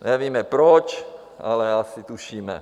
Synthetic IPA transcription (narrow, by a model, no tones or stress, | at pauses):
ɲɛʋiːmɛpɾɔt͡ʃ | ʔa̰lɛasit̪uʃiːmɛ̰